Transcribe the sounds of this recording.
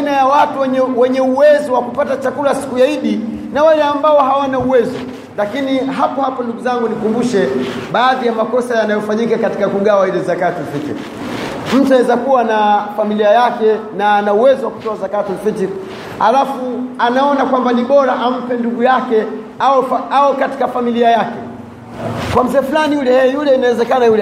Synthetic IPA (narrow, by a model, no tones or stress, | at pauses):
anajawatuɛɛwɛɲɛuwɛzɔwakupatat͡ʃakulasi̥kujaiɗi | nawalɛambaɔɦawanauwɛzɔ | lakiniɦapɔhapɔnduɡuzaŋɡunikumbuʃɛ | ɓaːðijamakɔsajanajɔfaɲikakati̥kakuɠawailɛzakatifitḭɾ | m̩tuawɛzakuwanafamiliajakɛnaːnauwɛzɔwaku̥tɔazakatifiti | halafuanaɔnakwambaniɓɔɾaʔam̩pɛnduɡujakɛ | aɛfaawɛkati̥kafamiliajakɛ | kwam̩zɛːfulanijulɛɛjulɛinawɛzɛkanajulɛ